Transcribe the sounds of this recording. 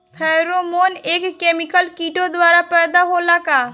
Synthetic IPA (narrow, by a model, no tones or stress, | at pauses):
pʰɛːɾomoːneːkkːeːmɪkəlkiːʈod̪waːɾapɛːd̪aɦoːlakaː